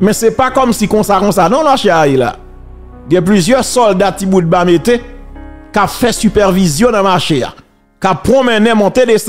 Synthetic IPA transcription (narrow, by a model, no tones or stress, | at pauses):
mɛ̃sɛpakɔmsikɔ̃sakɔ̃sanɔ̃maʃeaila̰ | ɡɛ̃p̬lyzjœʁsɔld̪atibud̪̚bamet̪ekafɛsypɛʁvizjɔ̃nɐ̃maʃea̰ | kapːʁɔ̃mɛ̃nɛ̃mɔ̃t̪edes